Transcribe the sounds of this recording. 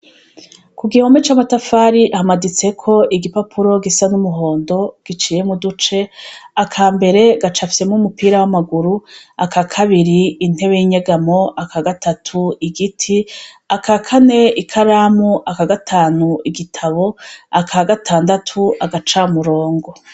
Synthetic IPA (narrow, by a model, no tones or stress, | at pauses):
kuɡihomet͡ʃamatafaːɾiʔahamadit͡se̞kʰo̞ʔiɡipapʰuɾo̞ɡisanumuɦo̞ːndo̞ɡ̥it͡ʃiːje̞mudut͡ʃe̞akʰaːmbe̞ɾe̞ɡat͡ʃafi̥se̞muumupiːɾawamaɡuɾuakʰakʰaβiɾiːn̥he̞βe̞jiɲeɡamo̞akaɡatatʰuiɡitʰi | akakʰane̞ikʰaɾamuʔakaɡatʰaːnuiɡitʰaβo̞akʰaɡatʰaːndatʰuʔaɡat͡ʃamuɾo̞ːŋɡo̞